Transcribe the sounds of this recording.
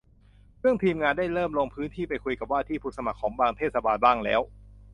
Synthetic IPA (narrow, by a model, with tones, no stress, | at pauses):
pʰɯ˥˩əŋt̪ʰiː˧mŋaː˧nda˥˩jɾɤː˥˩mloː˧ŋpʰɯː˦˥nt̪ʰiː˥˩pa˧jkʰu˧jka˨˩p̚waː˥˩t̪ʰiː˥˩pʰuː˦˥˩sa˧ma˨˩kʰːɔː˩˦ŋbaː˧ŋt̪ʰeː˥˩t̪̚sa˧baː˧nbaː˥˩ŋlɛ̰ː˦˥w